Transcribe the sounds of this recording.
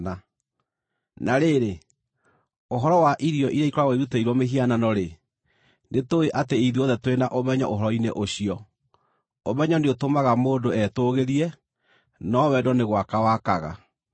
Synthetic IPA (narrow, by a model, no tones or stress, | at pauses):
a | nʔaɾeɾe | oɦɔɾɔwaʔiɾijɔʔiɾeikɔɾawaiðuteiɾwɔmeɦiananɔɾe | netoeʔateeiðiɔðɛtwenaʔomɛɲɔ̰ʔoɦɔɾɔinḛʔoɕiɔ | omɛɲɔneotomaɣamoːndoɛtoɣeɾiɛ | nɔwɛdɔneɣwakawakaɣa̰